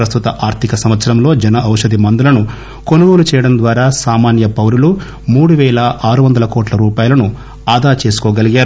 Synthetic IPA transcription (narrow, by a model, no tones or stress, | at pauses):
ɾɐst̪ut̪ɐʔaːɾt̪ʰikɐsɐmʋɐt̪sɐɾɐmlo̞ːd͡ʒɛnɐʔɐwʂɐd̪imɐnd̪ulɐnu | ko̞nuɡoːlut͡ʃɛːjɐɽɐnd̪ʋaːɾaːsaːmaːnjɐpɐwɾulu | muːɽuʋɛːlɐaːɾuʋɐnd̪ɐlɐkɔːʈlɐɾuːpaːjɐlɐnu | aːd̪aːt͡ʃe̞ːsu̥kɔːɡɐliɡaːɾu